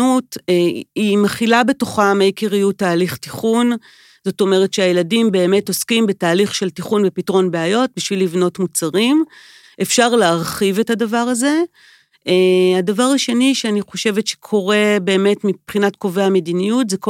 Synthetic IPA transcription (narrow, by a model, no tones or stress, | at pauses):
ut | imaχilabe̞to̞χamejkiʁijutaːliχtiχun | z̥o̞to̞me̞ʁetʃeajeladimbe̞ːme̞to̞skimbe̞taːliχʃe̞ltiχunbepitʁo̞nbeajo̞t̚biʃvilːivno̞tmut͡saʁim | ʔefʃaʁleaʁχive̞thadavaʁaze̞ | eadavaʁaʃe̞niʃeaniχo̞ʃe̞vetʃe̥kʰo̞ʁe̞be̞ːme̞tmipχinatko̞ve̞amedinijutzek